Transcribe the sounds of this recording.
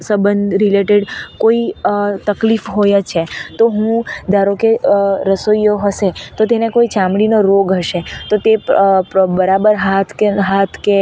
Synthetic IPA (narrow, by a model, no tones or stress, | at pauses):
səbənd̪ʱɾileʈeɖkoit̪əklifɦojat͡ʃʰet̪oɦũd̪ʱaɾokeɾəsojjoɦəʃet̪ot̪enekoit͡ʃãmɽinoɾoɡɦəʃet̪ot̪epbəɾabəɾɦat̪ʰkeɦat̪ʰke